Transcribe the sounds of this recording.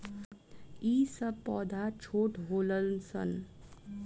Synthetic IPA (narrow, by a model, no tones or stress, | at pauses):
iːsəbpɔːd̪ʱat͡ʃʰoːʈɦoːləlnsə̰n